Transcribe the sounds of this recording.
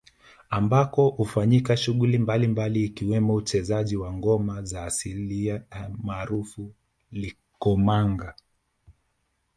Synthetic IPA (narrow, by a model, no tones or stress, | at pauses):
ambakɔhufaɲikaʃuɠulimbalimbaliːkiwɛmɔut͡ʃɛzaʄiwaŋɡɔmazaːsiliamaːɾufu | li | kɔmaŋɡa